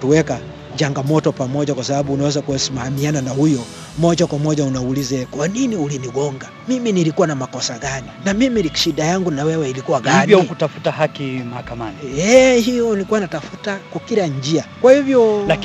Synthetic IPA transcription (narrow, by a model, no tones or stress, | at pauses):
tuwɛka | t͡ʃaŋɡamɔtɔpamɔʄakwasabaɓuːnawɛzakuɛsimahamiananahujɔ | mɔʄakwamɔʄaunaulizɛkwaniniuliniɡɔŋɡamiminilikuwanamakɔsaɡaninamimilikʃiɗajaŋɡunawɛwɛilikuwaɡanvjɔukutafutahakimahakamaniɛhijɔilikuwanatafutakwakiɾaɲd͡ʒiakwahivjɔla